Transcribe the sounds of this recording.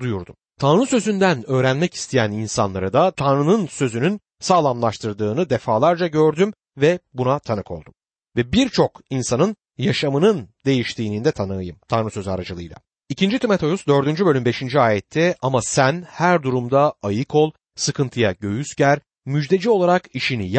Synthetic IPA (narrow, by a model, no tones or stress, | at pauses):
d̪ujuɾd̪umt̪ʰanɾɯsø̞zynd̪ænø̞ːɾænmɛci̥st̪ʰijæninsa̰nlˠa̰ɾɯd̪at̪ʰanɾɯnɯnsø̞zynyn | saːlˠamlˠaʃt̪ʰɯɾd̪ɯːnɯd̪efaːlˠaɾd͡ʒaɟø̞ɾd̪ym | vɛbunat̪ʰanɯkʰo̞̰lˠd̪um | vɛbiɾt͡ʃʰo̞kinsanɯn | jaʃamɯnɯnd̪e̞jiʃt̪ʰiːnind̪ɛt̪ʰanɯjɯmt̪ʰanɾɯsø̞za̰ɾad͡ʒɯlˠɯ̰jlˠa̰ | icʰind͡ʒit̪ʰymet̪od̪usd̪ø̞ɾd̪ynd͡ʒybø̞lʲymbe̞ʃind͡ʒiaːjɛt̪ʰːɛamasænhæɾd̪uɾumd̪aajɯkʰo̞lˠ | sɯkʰɯnt̪ʰɯjaɟø̞jysɟæɾ | myd͡ʒd̪e̞d͡ʒio̞lˠaɾakiʃinij